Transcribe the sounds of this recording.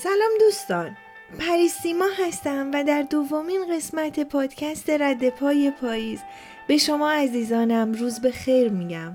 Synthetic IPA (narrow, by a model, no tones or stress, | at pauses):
sælɒːmd̪uːst̪ɒːn | pʰæɾiːst̪iːmɒːɦæst̪æmvæd̪æɾd̪ovomiːnɢe̞smæt̪ʰe̞pʰɒːd̪̥cʰæst̪e̞ɾæd̪ːe̞pʰɒːje̞pʰɒːjiːz | be̞ʃo̞mɒːæziːzɒːnæmruːzbe̞xe̞jɾmiɟæm